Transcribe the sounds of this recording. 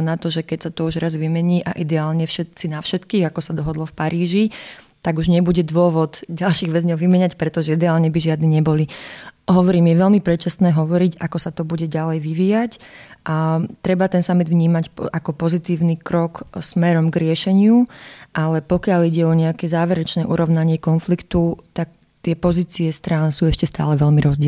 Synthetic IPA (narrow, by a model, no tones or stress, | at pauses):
nat̪ɔʒɛkɛcsat̪ɔuʒɾazʋimɛɲiːʔa̰ʔid̪ɛaːlɲɛfʃɛt̪t͡sinafʃɛt̪kiːɣakɔsad̪ɔɦɔd̪lɔfpaɾiːʒi | t̪aɡuʒɲɛbuɟɛd̪ʋʊɔʋɔd̪ɟalʃiːɣʋɛzɲɔʊʋimɛɲacpɾɛt̪ɔʒɛid̪ɛaːlɲɛbiʒɪad̪niɲɛbɔliɦɔʋɔɾiːmjɛʋɛʎmipɾɛt͡ʃast̪nɛːɦɔʋɔɾicakɔsat̪ɔbuɟɛɟalɛjʋiʋiːjacʔat̪ɾɛbat̪ɛnsamid̪ʋɲiːmacakɔpɔzit̪iːʊnikɾɔksmɛɾɔmɡɾɪɛʃɛɲɪuʔalɛpɔkɪaliɟɛɔɲɛakɛzaːʋɛɾɛt͡ʃnɛːʔuɾɔʊnaɲɪɛkɔnflikt̪ut̪ak̚ | t̪ɪɛpɔziːt͡siɛst̪ɾaːnsuːɛʃcɛst̪a̰ːlɛʋɛʎmiɾɔzɟɪɛ